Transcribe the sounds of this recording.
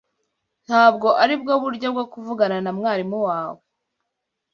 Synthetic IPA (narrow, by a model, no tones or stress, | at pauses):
n̥haːbɡo̞ʔaɾib̚ɡo̞βuɾɟob̚ɡokuvuɡananamŋaːɾimuwaːwe